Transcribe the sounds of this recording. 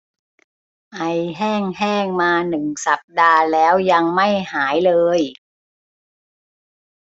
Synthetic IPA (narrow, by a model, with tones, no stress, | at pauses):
ʔa˧jɦɛː˥˩ŋɦɛː˥˩ŋmaː˧nɯ˨˩ŋsa˨˩p̚daː˧lɛː˦˥wja˧ŋma˥˩jhaː˩˦jlɤː˧j